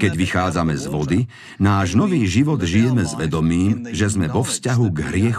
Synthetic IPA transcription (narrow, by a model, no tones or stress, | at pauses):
kɛɟʋixaːd͡zamɛzʋɔd̪i | naːʒnɔʋiːʒiʋɔd̪ʒijɛmɛzʋɛd̪ɔmiːmʒɛzmɛʋɔfscaɦuɡɦɾɪɛx